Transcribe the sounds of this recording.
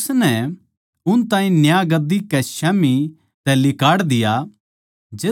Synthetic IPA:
snɛ | ʊnt̪ãːĩnjaɡɐd̪ːikɛʃaːmi | t̪ɛlɪkaːɽd̪ɪja | d͡ʒeː

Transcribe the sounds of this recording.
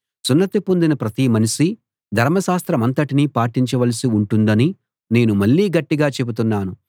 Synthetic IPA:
sunːɐt̪ipund̪inɐpɾɐt̪iːmɐniʂi | d̪ʱɐɾmɐʃaːst̪ɾɐmɐnt̪ɐʈinipaːʈiɲt͡ʃɐʋɐlɐsiuɳʈund̪ɐni | ne̞ːnumɐɭːiːɡɐʈːiɡaːt͡ʃe̞but̪unːaːnu

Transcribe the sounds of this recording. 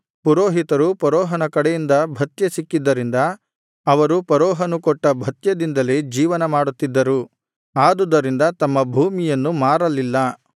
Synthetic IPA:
puɾoːɦit̪ɐɾupɐɾɔːɦɐnɐkɐɽɛjind̪ɐbʱɐt̪jesikːid̪ːɐɾind̪ɐː | ʋɐɾupɐɾɔːɦɐnukɔʈːɐbʱɐt̪jɐd̪ind̪ɐle̞d͡ʒiːʋɐnɐmaːɽut̪ːid̪ːɐɾu | aːd̪ud̪ɐɾind̪ɐt̪ɐmːɐbʱuːmijɐnːumaːɾɐlilːɐ

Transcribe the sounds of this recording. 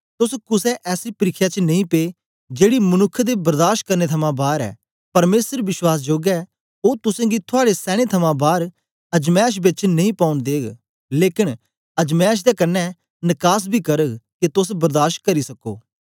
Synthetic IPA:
t̪ʊskʊsɛʔɛːsipɐɾɪkʰːjat͡ʃnɐ̃ĩpeː | d͡ʒeːɽimɐnʊkʰːd̪ebɐɾd̪aːɾʃkɐɾnet̪ʰɐmãbaːɾɛ̰ː | pɐɾmeːsəɾʋɪswaːs̬d͡ʒoːɡɛ | oːt̪ʊsãːɡit̪ʰʊaːɽesɛːɽ̃et̪ʰɐmãbaːɾ | ɐd͡ʒmɛːʃ̬bɪt͡ʃnɐĩpaːʊnd̪eːɡ | leːkɪn | ɐd͡ʒmɛːʃ̬d̪ɛkɐnːɛ | nɪkaːs̬bʱikɐɾəɡkit̪ʊsbɐɾd̪aːʃʈ̚kɐɾisɐko̰ː

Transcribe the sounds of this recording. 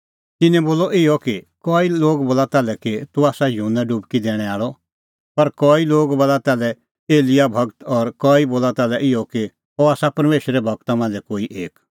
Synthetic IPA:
t̪ɪnɛ̃boːlɔʔɪjɔki | kɔːiloːɡboːlat̪aːlɛkit̪uaːsajunːaɖʊbkid̪ɛːɽ̃ɛ̃aːɭɔ | pɐɾkɔːiloːɡbɐlat̪ɛːlɛ | eːlɪjabʱɐɡt̪ɔːɾkɔːiboːlat̪aːlɛʔɪjɔki | ɔaːsapɐɾmeːʃəɾɛbʱɐɡ̚t̪amãːnd͡zɛkoːiʔeːk

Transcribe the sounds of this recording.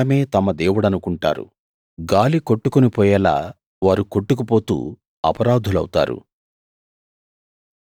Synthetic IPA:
ɐme̞ːt̪ɐmɐd̪eːwuɽɐnukuɳʈa̰ːɾṵ | ɡaːliko̞ʈːukonipɔːjɛla̰ː | ʋaːɾuko̞ʈːuk̬upo̞ːt̪ṵː | ɐpɐɾaːd̪ʱulɐwt̪a̰ːɾṵ

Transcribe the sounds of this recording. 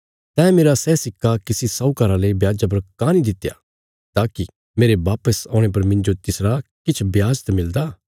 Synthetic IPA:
t̪ɛ̃ːmeːɾasɛːsɪkʰːakisisɔukaːɾaleibjaːd͡ʒap̬ɐɾkãnid̪ɪt̪ja̰ | t̪aːki | meːɾeʋaːpəsɔ̃ːɽ̃ep̬ɐɾmɪ̃ɲd͡ʒot̪ɪsɾakɪt͡ʃʰbjaːd͡ʒt̪mɪld̪a

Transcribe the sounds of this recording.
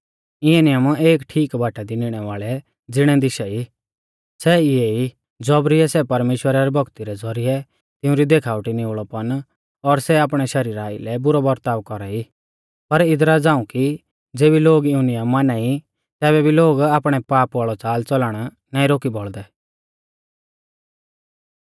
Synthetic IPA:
ɪɛnɪjəmeːkʈʰiːkbʱaːʈad̪inɪɽ̃ɛʋaːɭɛ | d͡zɪɽ̃ɛd̪ɪʃɛi | sɛɪjei | d͡zɔbɾiɛsɛpɐɾmeːʃwəɾaɾɛbʱɔɡt̪iɾɛd͡zʱɔɾiɛ | t̪ɪ̃ʊ̃ɾid̪eːkʰaːʋʈinioɭɔpɐn | ɔɾsɛaːpɽ̃ɛʃɐɾiːɾaːḭlɛbʊɾɔbɐɾt̪aːʋkɔɾai | pɐɾɪd̪ɾad͡zãːũki | d͡zeːbiloːɡɪʊ̃nɪjamaːnai | t̪ɛːβɛbʱiloːɡaːpɽ̃ɛpaːpɔɭɔt͡saːlt͡sɔlaɽ̃ | nãːĩɾoːkibɔɭd̪ɛ

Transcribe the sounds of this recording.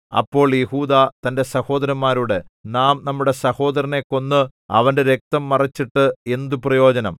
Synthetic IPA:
ɐ̰pːo̞ːɭjehuːd̪aːt̪ɐnde̞sɐho̞ːd̪ɐɾɐmːaːɾuɽe̞naːmnɐmːuɽe̞sɐho̞ːd̪ɐɾɐne̞kːo̞nːɨɐ̰ʋɐnde̞ɾe̞k̚t̪ɐmːɐrɐt͡ɕːiʈːɨe̞nd̪uprɐjo̞ːd͡ʑɐnɐm

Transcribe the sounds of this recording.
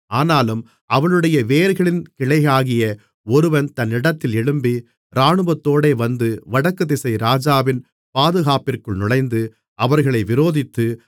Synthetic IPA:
aːnaːlɯm | ɐʋɐnɯɽɐjɐʋeːɾɣɐɭɪnkɪɭɐɪjaːɣɪjɐ | ɔɾɯʋɐnt̪ɐnːɪɽɐt̪ːɪlɪɽɯmbi | ɾaːɳɯʋɐt̪ːoːɽeːʋɐnd̪ɯʋɐɽɐkːɯðɪsɐɪɾaːd͡ʒaːʋɪn | paːðɯɣaːpɪrkɯɭnʊɻɐɪnd̪ɯ | ɐʋɐɾɣɐɭɐɪʋɪɾoːðɪt̪ːɯ

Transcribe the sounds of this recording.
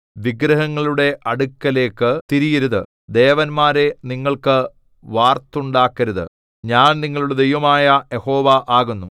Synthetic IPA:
ʋiɡɾɐɦɐŋːɐɭuɽe̞ʔɐɽukːɐle̞ːkːɨt̪iɾijɐɾuðɨ | d̪e̞ːʋɐnmaːɾe̞niŋːɐɭkɨ | ʋaːrt̪ːuɳɖaːkːɐɾuðɨ̰ | ɲaːnniŋːɐɭuɽed̪ejʋɐmaːjɐjeho̞ːʋɐʔaːɣunːu

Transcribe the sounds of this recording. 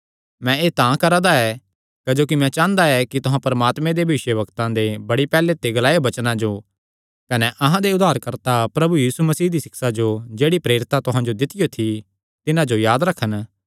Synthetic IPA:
mɛ̃eːt̪ãkɐɾad̪aɛ | kɐd͡ʒoːkimɛ̃t͡ʃãːə̃nd̪aɛkit̪ʊɦãpɐɾɐmaːt̪mẽd̪ebʱɐʋɪʃəʋɐkt̪ãd̪ebɐɽipɛːlet̪eɡɐlaːebɐt͡ʃnãd͡ʒo | kɐnɛʔɐɦãd̪eʊd̪ʱaːɾkɐɾt̪apɾɐbujiːsumɐsiːd̪isɪksad͡ʒod͡ʒeːɽipɾeːɾɪt̪at̪ʊɦãd͡ʒod̪ɪt̪ɪjot̪ʰi | t̪ɪnãd͡ʒojaːd̪ɾɐkʰːən

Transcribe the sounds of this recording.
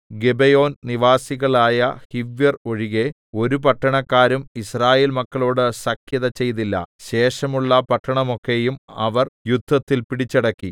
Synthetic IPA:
ɡebejo̞ːnniʋaːsiɣɐɭaːjɐhiʋjɐro̞ɻiɣe̞ | o̞ɾupɐʈːɐɳɐkːaːɾumisraːje̞ːlmɐkːɐɭoːɽɨsɐkʰjɐðɐt͡ɕe̞jt̪ilːɐ̰ɕe̞ːʂɐmuɭːɐpɐʈːɐɳɐmo̞kːe̞jumɐʋɐrjud̪ʱːɐt̪ːilpiɽit͡ɕːɐɽɐkːi

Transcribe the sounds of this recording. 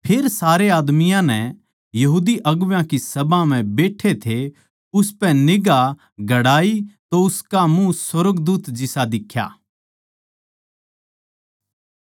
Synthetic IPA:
pʰɪɾsaːɾeaːd̪mɪjãnɛ | jɐɦuːd̪iʔɐɡʋjãkisɐbãm̤ɛ̃beːʈʰet̪ʰe | ʊspɛ̃nɪɡa | ɡʱɐɽaːit̪oʊskamũswɐɾəɡd̪uːt̪d͡ʒɪsad̪ɪkʰːja̰ː

